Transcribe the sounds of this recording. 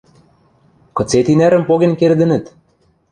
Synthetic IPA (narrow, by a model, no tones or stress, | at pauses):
kɤ̆t͡set̪inæɾɘ̆mpoɣenkerd̪ɘ̆nɘ̆t̪